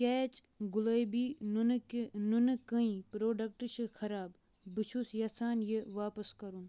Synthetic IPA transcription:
keːt͡ʃ | ɡʊlɐjbiːnnunkɐĩpɾoːɖɐk̚ʈʃʰɨkʰɐɾaːb | bit͡ʃʰusjɐsaːnjeʋaːpɐskɐɾun

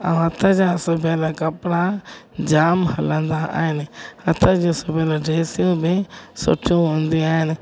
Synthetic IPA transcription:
ã̰ɦɐt̪ʰad͡ʑãːsʊbʱelakɐpɽã | d͡ʒaːmɦɐlə̃nd̪aa̰ːɦɪnɪhɐt̪ʰad͡ʑõsʊbʱelaɖeːsijũbɪsʊ̰ʈʰijũɦõːnd̪iaːɦɪnɪ

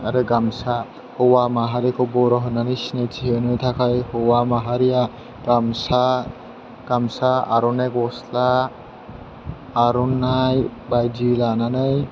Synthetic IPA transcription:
aɾeɡamsa | howamaɦaɾikoboɾɔɦɯnanijsinajt͡sʰiɦenɯjt̪ʰakʰajhowamaɦaɾija | ɡamsa | ɡ̥amsaa̰ɾunajkosla | ɾunajbajd͡ʒilananɯj

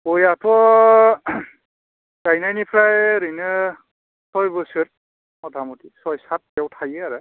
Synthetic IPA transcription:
kojatʰɔ | kajnajnipʰɾajɾɯnɯ | sɔjbɯsɯɾ | ɔtʰamutisɔjsat̚kɛwtʰajaɾa

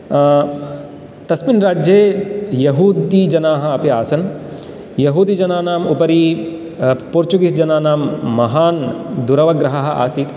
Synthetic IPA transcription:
t̪ɐsminɾaːd͡ʒjeːjɐɦuːd̪id͡ʒɐnaːɦɐ̆ɐpjaːsɐn | jɐɦuːd̪id͡ʒɐnaːnaːmupɐɾiː | puɾt͡ʃuɡisd͡ʒɐnaːnaːmːɐɦaːnd̪uɾɐʋɐɡɾɐɦɐɦɐ̆a̰ːsiːt̪

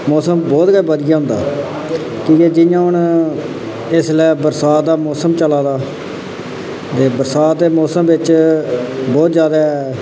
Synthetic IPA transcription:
mɔːsəmbɔːt̪ɡəːbəd̪ɪjaːʊ̃nd̪a̰ː | kiːkeːd͡ʒɪjãːʊn | ɪslɛːbəɾsaːt̪̚d̪aːmɔːsəmt͡ʃəlaːd̪aː | d̪eːbəɾsaːt̪̚d̪eːmɔːsəmʋɪt͡ʃ | bɔːt̪zjaːd̪aːɛ

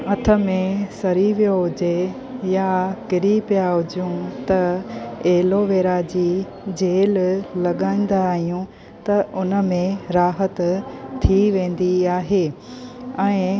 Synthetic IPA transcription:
ɐt̪ʰə̆mẽsɐɾiʋijoɦʊd͡ʑe | jakɪɾipijaɦʊd͡ʑjũt̪ɐeːloʋeːɾad͡ʑiː | d͡ʑeːllɐɠaːĩn̆d̪aːɦijũ | t̪ɐʊnə̆mẽɾaːɦət̪t̪ʰːiʋẽːn̆d̪iaːɦeː | ɛ̃ː

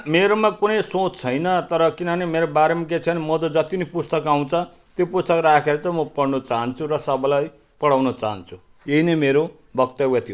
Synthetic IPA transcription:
meɾomakunʌjsot͡st͡sʰʌjnʌt̪ʌɾʌkinʌɦʌnemeɾobaɾemak̬et͡sʰʌnimʌd̪ʌd͡zʌt̪inipust̪ʌkaw̃t͡sʰʌ | t̪jopust̪ʌkrakʰeɾʌt͡sʰʌmʌpʌɽnʌt͡saɦʌnt͡sʰuɾʌsʌbʌlaj | pʌɽawnʌt͡saɦʌnt͡sʰu | eɦinemeɾo | bʱʌkt̪ʌwʌt̪ʰijo

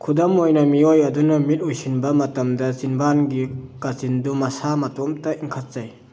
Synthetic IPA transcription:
kʰudɐmojnɐmiojɐdunɐmit̚ɔjsinbɐmɐtɐmdɐzinbanɡikazindumɐsamatɔmtɐiŋkʰat̚z̥aj

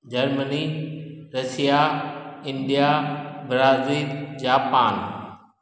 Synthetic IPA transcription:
d͡ʑɐɾməniɾɐsijaɪ̃nɖijabɾaːziːld͡ʑaːpaːn

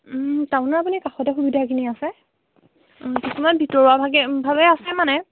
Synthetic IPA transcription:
taʊ̃naapunikaxɔtɛxubidʱakiniasɛ | kisumanbʱitɔɹabʱaɡɛbʱabɛasɛmanɛ

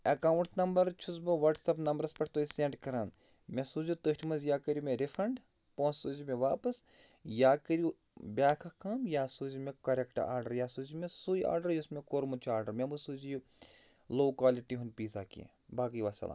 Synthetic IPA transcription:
ɐkaːʋuɳʈnɐmbɐɾt͡ʃʰusbɨʋɐʈsɐpnɐmbɐɾspɐʈʰt̪oːisẽɳɖkɐɾaːn | mesuːzut̪əʃʈʰmɐzjaːkɐɾjumẽɾifʰɾɐɳɖ | põːnsuːzimẽʋaːpɐsjaːkɐɾju | bʲaːkʰɐkaːmjaːsuːzimẽkɐɾekʈa̰ːɾɖɐɾjaːsuːzimẽsuːja̰ːɾɖɐɾjusmẽkoːɾmut͡ʃʰuaːɾɖɐɾmebɨsuːziju | loːkwaːliʈiɦunpiːsaːkḭ | baːkijʋaːsɐ̰la̰ːm

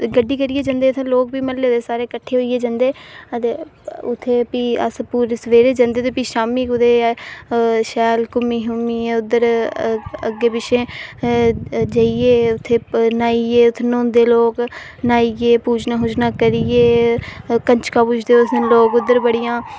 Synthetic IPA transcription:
ɡəɖːiːkəɾiːeːd͡ʒãːnd̪eːt̪ʰẽːloːk̚biːməlleːd̪eːsaːɾeːkəʈʰːeːɦoːieːd͡ʒãːnd̪eːət̪eːʊt̪ʰːeːpiːə̰spuːɾsʋeːɾeːd͡ʒãnd̪eːt̪eːpiːʃaːmiːkʊd̪eː | ʃɛːlkʊmiːɦʊmiːʊd̪ːəɾ | əɡːeːpɪʃʰẽː | d͡ʒaːieːʊt̪ʰːeːnaːieːʊt̪ʰːenõːnd̪eːloːk | naːieːpuːd͡ʒnãːɦʊd͡ʒnãːkəɾieː | kəɲt͡ʃkãːpʊt͡ʃʰd̪eːʊsloːkʊd̪ːəɾbəɽijãː

